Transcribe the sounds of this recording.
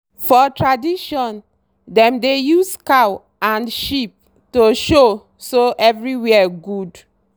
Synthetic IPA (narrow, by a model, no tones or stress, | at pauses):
fɔtɹadiʃɔ̃n | dɛ̃mdejuskaw | ãnʃip̚ | toʃo | soʔɛvɹiwɛɛɡud